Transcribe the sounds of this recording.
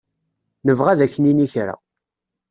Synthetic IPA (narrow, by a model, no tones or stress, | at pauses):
nəvʁæðæçːəniniçɾa̰